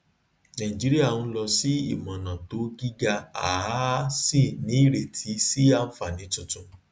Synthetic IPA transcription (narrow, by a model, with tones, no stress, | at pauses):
nã˨ĩ˨d͡ʒi˨˦ɾi˦a˦˨ũ˧˦lɔ˧si˦ḭ˦˨mɔ̃˨nã˨to˨˦ɡi˦ɡa˧a˨˦si˦˨nĩ˨˦i˦˨ɾe˨tʰi˨˦si˦a˧˨fa˨nĩ˨˦tũ˧tũ˧˨